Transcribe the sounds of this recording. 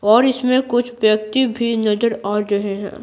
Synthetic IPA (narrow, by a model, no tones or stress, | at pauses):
ɔːɾɪsmẽkʊt͡ʃʰʋjɐk̚t̪ibʱinɐzəɾaːɾɾɐɦeɦɛ̰̃ː